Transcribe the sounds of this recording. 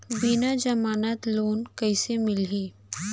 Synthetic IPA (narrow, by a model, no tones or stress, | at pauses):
biːnad͡ʒɐmaːnət̪loːnkɐɪsemɪlɦiː